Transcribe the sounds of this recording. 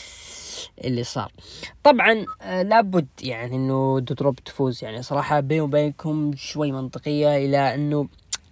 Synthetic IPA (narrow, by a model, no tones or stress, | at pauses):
ʔɪlːisˤɑ̰ːɾˤt̪ˤɑbʕɑnlabʊd̪ːjaʕniʔɪnːʊd̪ʊd̪ɾʊbt̪fuːzjaʕnisˤɑɾˤɑːħɑbeːnwbeːnkʊmʃwajːmɪnt̪ˤɨqɨjːaʔɪlaʔɪnːʊ